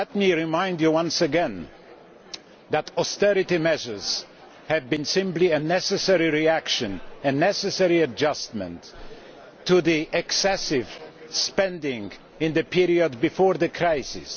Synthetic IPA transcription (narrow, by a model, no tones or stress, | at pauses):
lɛt̚miɹɪmãɪ̃ndjɨwʌ̃nsɨɡɛ̃n | ðətɔstɛɹɨtimɛʒə˞z̥ | hɨvbɨ̃nsɪ̃mpliɨnɛsɨsɛɹiɹiækʃɨ̃nɨ̃nɛsɨsɛɹiɨd͡ʒʌst̚mɨ̰̃ntʰː | ɨðiʔɨksɛsɪv̥spɛ̃ndɪ̃ŋ | ɪ̃nðɨpʰiɹiɨd̚bɨfɔɹðɨkʰɹ̥aɪsɪ̰s